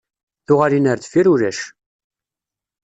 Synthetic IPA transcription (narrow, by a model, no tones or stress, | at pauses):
θʊʁaɾinəɾθfiɾuɾæʃ